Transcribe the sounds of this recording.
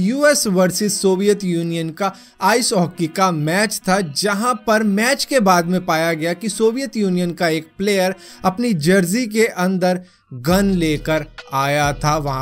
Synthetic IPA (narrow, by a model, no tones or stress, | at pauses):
juːɛsʋɐɾsɪzsoːʋijət̪juːnijənka | aːɪsɔːkikamɛːt͡ʃt̪ʰad͡ʒɐɦãpɐɾmɛːt͡ʃkebaːd̪mẽpaːjaɡɐjakisoːʋijət̪juːnijənkaeːk̚pleːjəɾ | ɐpnid͡ʒɐɾzikeʔɐ̃nd̪əɾ | ɡɐnleːkəɾaːjat̪ʰaʋɐɦã